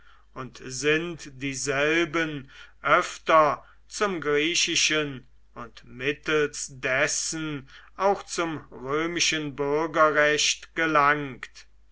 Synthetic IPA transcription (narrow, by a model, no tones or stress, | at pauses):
ʊntzɪntd̥iːzɛlbənʔœftɐ | t͡sʊmɡʁiːʃɪʃən | ʊntmɪtəlsdɛsnʔaʊxt͡sʊmʁøːmɪʃənbʏɐɡɐʁɛʃtɡ̥əlaŋkt